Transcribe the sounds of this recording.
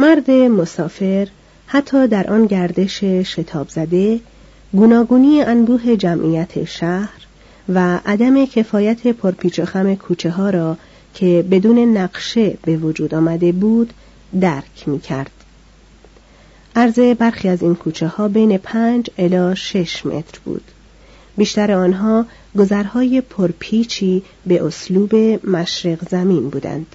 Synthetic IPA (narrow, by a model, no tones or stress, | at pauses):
mæɾd̪e̞mosɒːfe̞ɾ | hæt̪ʰːɒːd̪æɾʔɒːnɟæɾd̪e̞ʃeʃe̞t̪ʰɒːbz̥æd̪e̞ | ɡuːnɒːɡuːniːjeʔænbuːɦe̞d͡ʒæmʔiːjæt̪ʰḛʃæhɾ | væʔæd̪æme̞cʰe̞fɒːjæt̪ʰe̞pʰoɾpʰiːt͡ʃʰexæme̞kʰuːt͡ʃʰe̞ɦɒːɾɒː | cʰe̞be̞d̪uːne̞næɡʃe̞be̞vod͡ʒuːd̪ɒːmæd̪e̞buːd̪̥ː | æɾcʰmiːcʰæɾd̪̥ | ʔæɾze̞bæɾxiːæziːnkʰuːt͡ʃʰehɒːbe̞jne̞pʰænd͡ʒelɒːʃe̞ʃmʔe̞̰t̪ʰɾbṵːd̪̥ | biːʃt̪æɾeɒːnɦɒː | ɡo̞zæɾhɒːje̞pʰoɾpʰiːt͡ʃʰiː | be̞ʔosluːbe̞mæʃɾeɣzæmiːnbuːd̪æ̰nd̪̥